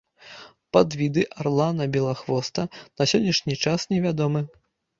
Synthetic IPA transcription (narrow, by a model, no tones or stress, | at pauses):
pad̪vʲid̪ɨʔarlˠanɐbʲɛlˠaxvɔst̪ɐnɐsʲɔnʲːiʂnʲit͡ʂasnʲɛvʲad̪ɔmɨ